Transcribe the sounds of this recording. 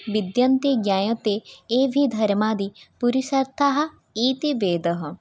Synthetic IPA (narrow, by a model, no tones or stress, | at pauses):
ʋid̪jɐnt̪iɡjaːjot̪eːebʱid̪ʱɐɾmaːd̪ipuɾiʃɐɾt̪ʰaɦɐ̆ | iːt̪iʋeːd̪ɐɦɐ̆